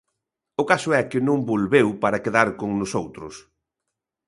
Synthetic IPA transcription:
ʊkasʊɛkɪnõŋbolβewpaɾɐkeðaɾkoŋnʊsowt̪ɾʊ̰s

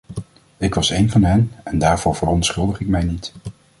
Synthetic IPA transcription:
ɪkʋɑsejnvɑnɦɛnɛndaːɹv̥ʊːɹv̥ərɔntsχɵlˠdəχɪk̚mɛjnit

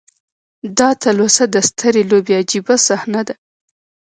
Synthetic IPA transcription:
d̪ɑt̪alosad̪əst̪ʰəɾelobead͡ʒibasahnad̪a

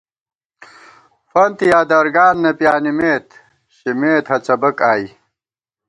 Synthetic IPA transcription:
fɐnt̪ijaːd̪ɐɾɡaːnːɐpjaːnimeːt̪ | ɕimeːt̪hɐt͡sɐbɐkaːji

